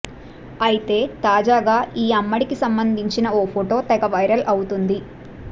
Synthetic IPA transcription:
ɐjit̪e̞ːt̪aːd͡ʒaːɡaːiːɐmːɐɽikisɐmbɐnd̪ʱiɲt͡ʃinɐoːpʰoʈo̞ːt̪ɛɡɐʋɐjɾɐlʔɐwut̪und̪i

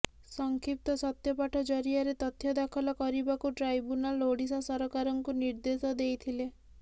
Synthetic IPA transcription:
sɔŋkʰip̚t̪ɔsɔt̪jɔpaʈʰɔd͡ʒɔɾiaɾet̪ɔt̪ʰjɔd̪akʰɔlɔkɔɾibakuʈɾajbunaloɽisasɔɾɔkaɾɔŋkuniɾd̪esɔd̪ejt̪ʰile

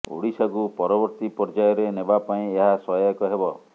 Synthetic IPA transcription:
ṵɽisaɡupɔɾɔbɔɾt̪ipɔɾd͡ʒajɔɾenebapaĩeɦasɔjakɔɦebɔ

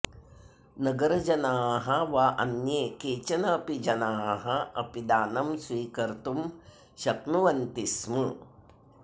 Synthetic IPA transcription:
nɐɡɐɾɐd͡ʒɐnaːɦɐʋaːʔɐ̰njeːkeːt͡ʃɐnɐːpid͡ʒɐnaːɦɐɐpid̪aːnɐmsʋiːkɐɾt̪um | ʃɐtnuʋɐnt̪ismɐ

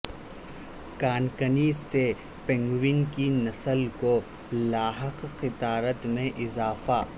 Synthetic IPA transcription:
kaːnkəniːzse | pɛ̃ŋɡwɪnkinɐsəlko | laːɦəqxɪt̪aːɾət̪mẽʔɪzaːfaː

